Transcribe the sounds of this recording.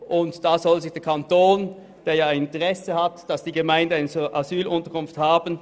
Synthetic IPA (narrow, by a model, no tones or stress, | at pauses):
ʔʊntd̥aːzɔlzɪçd̥eːɐkʰantoːn | d̥eːɐjaːaɪɪnɪ̃ntəʁɛsəhatd̥ɑsd̥iːɡəmaɪndənaɪnsoʔazyːlʔʊntəɐkʰʊnfthaːbən̩